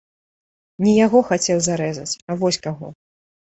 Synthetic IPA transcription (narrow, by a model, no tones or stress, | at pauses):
nʲijaɣɔxat͡sʲɛwzaɾɛzɐt͡sʲavɔsʲkaɣɔ